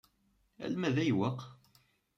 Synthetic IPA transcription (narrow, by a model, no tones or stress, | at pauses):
æ̰lmæðæjwəqː